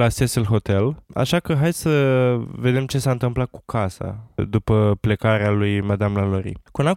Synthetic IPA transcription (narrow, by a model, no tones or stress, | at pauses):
lasesəlɦo̞t̪e̞la̰ʃakəɦajd̪səve̞d̪e̞mt͡ʃe̞saɨnt̪ɨmplat̪̚ku̥kʰasa̰d̪upəple̞kaɾealujmad̪amlaloɾḭkuna